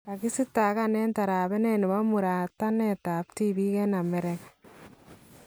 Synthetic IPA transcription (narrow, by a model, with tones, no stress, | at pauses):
a˨ki˦si˦ta˨ka˦nɛ˦nta˨ɾa˨bɛ˦ne˦nɪ˨ma˦mu˨ɾa˨ta˦nɛ˦ta˨pti˦bi˦kɛ˦na˨mɛ˦ɾɛ˦k